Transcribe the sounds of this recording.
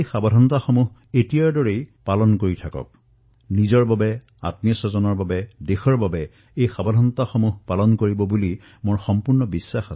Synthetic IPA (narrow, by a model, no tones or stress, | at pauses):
jxabɔdʱɔntaxɔmuɦetijaɹdɔɹejpalɔnkoɹitʰakɔ̰k̚ | nizɔɹbabɛ | a̰t̚mijɔsɔzɔnɔɹbabɛdexɔɹbabɛ | ejxabɔdʱɔntaxɔmuɦpalɔnkoɹibɔbuli | moɹxɔmpʊɹnɔbisːaxa